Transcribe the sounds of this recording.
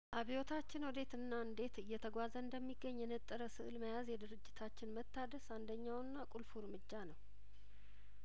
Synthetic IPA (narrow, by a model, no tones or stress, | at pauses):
ʔaβijo̞t̪ʰat͡ʃːɪnwɔd̪e̞t̪ɨnːaɨnd̪e̞t̪ɨjːɛt̪ʰəɡʷazəɨnd̪əmːiɡːəɲːjɛnət̪ʼːəɾəsɨʔɨlməjazjɛd̪ɨɾɨd͡ʒːɪt̪ʰat͡ʃːɪnmət̪ʰːad̪əsand̪əɲːawnːakʼulfuɾmɨd͡ʒːanəw